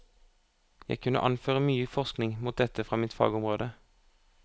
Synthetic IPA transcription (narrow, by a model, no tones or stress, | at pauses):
jæ̰ɪkʰʉnə̰ʔɑnføːʁəmyːəfɔʁsknɪŋmuːt̪̚d̪ɛt̪əfʁɑːmɪːt̪fɑ̰ːɡʊmʁoːd̪ə